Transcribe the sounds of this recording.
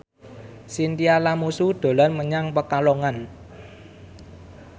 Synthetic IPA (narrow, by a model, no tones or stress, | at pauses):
sint̪ialamusud̪̥o̤lanməɲaŋpəkalɔŋan